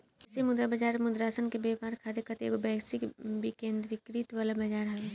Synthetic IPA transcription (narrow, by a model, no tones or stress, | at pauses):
ɪsimʊd̪ɾabɐd͡ʒaːɾmʊd̪ɾaːsənkebeːpaːɾkʰaːd̪ekɐt̪ḛːɡobɛːsikbikẽːnd̪ɾikɾit̪ʋaːlabɐd͡ʒaːɾɦɛʋe